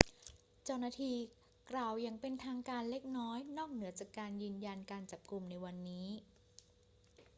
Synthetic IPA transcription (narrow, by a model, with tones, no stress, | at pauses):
t͡ɕa˧˥˩wnaː˧t̪ʰiː˧ | kɾlaː˨˩wja˨˩ŋpe˧nt̪ʰaː˧ŋkaː˧nle˦˥k̚nɔː˦˥jnɔː˥˩k̚nɯ˨˩˦t͡ɕaː˨˩kːaː˧njɯː˧nja˧nkaː˧nt͡ɕa˨˩p̚ku˧mna˧jwa˧nːiː˦˥